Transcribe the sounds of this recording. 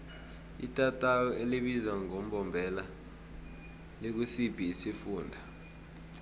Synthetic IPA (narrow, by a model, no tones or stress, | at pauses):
ḭtʼatʼajɔeliɓizwaŋom̩ɓɔmbʱɛla | lek̬usipʰiːsifuːndʱa